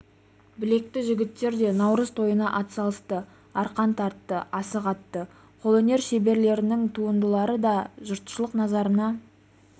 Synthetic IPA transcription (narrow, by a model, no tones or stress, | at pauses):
bɪle̞k̚t̪ɪʒɪɡʲɪt̪ːe̞ɾd̪e̞nɑwɾəzt̪ʰo̞jənɑʔɑt̪ə̥sɑlˠəst̪ə | ɑɾqɑnt̪ʰɑɾt̪ːəʔɑsəqɑt̪ːə | qʰolˠɵne̞ɾʃe̞be̞ɾle̞ɾɪnɪŋt̪ʰuənd̪əlˠɑɾəd̪ɑʒʊɾt̪ʃlˠəqnɑzɑɾənɑ